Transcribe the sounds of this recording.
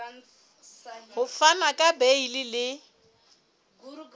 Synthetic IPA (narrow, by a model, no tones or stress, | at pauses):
hʊfanakʼabeilɪlɪ